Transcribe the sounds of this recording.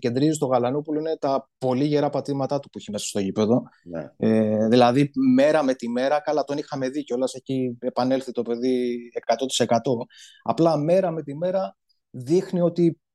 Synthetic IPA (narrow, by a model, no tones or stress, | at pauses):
ce̞nd̪ɾizist̪o̞ɣɐlɐnupuloinet̪ɐpo̞liʝe̞ɾɐpɐt̪imɐt̪ɐt̪upuiçimesɐ̥st̪o̞cipe̞ðo̞eðilɐðime̞ɾɐme̞t̪ime̞ɾɐkɐlɐt̪o̞nixɐme̞ðiceo̞lɐse̞çie̞pɐne̞lθit̪o̞pe̞ðiekɐt̪o̞t̪i̥se̞kɐt̪o̞ɐ̰plɐme̞ɾɐme̞t̪ime̞ɾɐ | ðixnio̞t̪i